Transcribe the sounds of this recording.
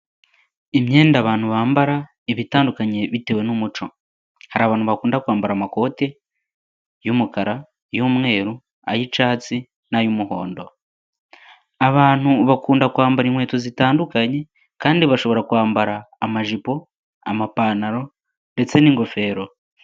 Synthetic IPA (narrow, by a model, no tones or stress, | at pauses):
emje̞ːndaβaːn̥huβaːmbaɾa | eβitaːndukaɲe̞βite̞we̞numut͡ʃo̞ | haɾiaβaːn̥uβakuːndakuaːmbaɾamako̞ːte̞ | jumukaɾa | jumŋe̞ːɾu | a̰jit͡ʃaːt͡si | najumuho̞̰ːndo̞ | aβaːn̥uβakuːndakuaːmbaɾinhwe̞ːtozitaːndukaɲe̞ | kaːndiβaʃo̞βo̞ɾakuaːmbaɾaːmaʒipo̞ | a̰mapaːnaɾo̞ | nde̞t͡se̞niŋɡo̞fe̞ːɾo̞